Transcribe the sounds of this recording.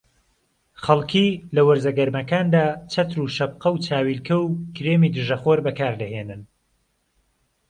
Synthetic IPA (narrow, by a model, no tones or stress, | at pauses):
χɐlˠkʰilɐwɐɾzɐɡɐɾmɐkaːnd̪aːt͡ʃʰɐt̪ɾuːʃɐb̚qɐwt͡sʰaːwilkʰɐwkʰɾeːmid̪ɨʒɐχoɾbɐkaːɾlɐheːnɨn